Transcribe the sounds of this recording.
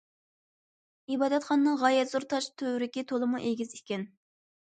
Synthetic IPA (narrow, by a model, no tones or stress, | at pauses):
ibɑːd̪ɛt̪χɑnɨnɨŋʁɑjɛt̪zuɾt̪ʰɑʃt̪ʰøwɾɪkʲit̪ʰolˠɨmuʔeɡʲizikʲɛn